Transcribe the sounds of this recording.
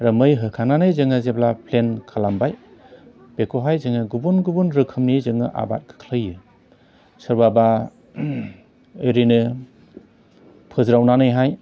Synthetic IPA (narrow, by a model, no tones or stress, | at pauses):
ɾɯmɯjɦɯkʰananɯjzɯŋɯzeblapʰlenkʰalambaj | b̥ekʰoɦajzɯŋɯɡubunɡubunɾɯkʰɯmnizɯŋɯʔa̰ba̰t̚kʰɯ̥kʰlɯjːɯ | sɯɾbaba | ɯɾinɯ | pʰɯzɾawnanɯjɦaj